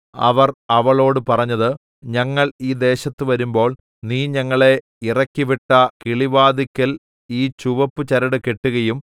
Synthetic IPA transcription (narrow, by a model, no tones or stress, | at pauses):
ɐ̰ʋɐrɐʋɐɭo̞ːɽɨpɐrɐɲːɐðɨ | ɲɐŋːɐɭiːd̪e̞ːɕɐt̪ːɨʋɐɾumbo̞ːɭ | niːɲɐŋːɐɭe̞ | irɐkːiʋiʈːɐkiɭiʋaːd̪ikʲːɐl | iːt͡ɕuʋɐpːɨt͡ɕɐɾɐɽɨke̞ʈːuɣɐjum